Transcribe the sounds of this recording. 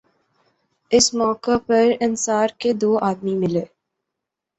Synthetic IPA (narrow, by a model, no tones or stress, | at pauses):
ɪsmɔːkapɐɾɪnsaːɾked̪oːʔaːd̪mimɪleː